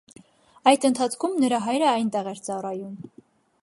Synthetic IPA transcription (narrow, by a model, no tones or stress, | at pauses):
ɑjd̪ənt̪ʰɑt͡sʰkʰumnəɾɑɦɑjɾəɑjnt̪ɛʁɛɾt͡sɑrɑjum